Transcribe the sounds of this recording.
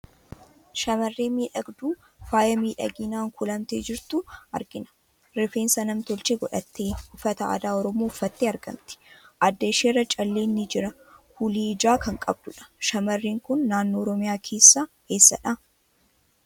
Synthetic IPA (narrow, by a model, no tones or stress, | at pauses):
ʃɐmɐrːeːmiːᶑɐɡd̪uː | faːjɐmiːᶑɐ̰ɡiːnaːŋkʊlɐmt̪eːd͡ʒɪɾt̪ʊɐ̰ɾɡɪnɐ̥ | ɾɪfeːnsɐnɐmt̪ɔlt͡ʃeɡɔᶑɐt̪ːeːʊfːɐt̪ɐa̰ːd̪aːɔɾɔmoːʊfːɐt̪ːeːɐɾɡɐ̰mt̪ɪ̥ʔɐd̪ːɐʃeːrːɐt͡ʃʼɐlːeːnːɪd͡ʒɪɾɐ | huliːd͡ʒaːkɐŋkʼɐb̚d̪ʊᶑɐ̥ʃɐmɐrːiːŋkʊnːaːnːoːɾɔmɪjaːkʰe̞ːsːaː | he̞ːsːɐ̰ᶑɐ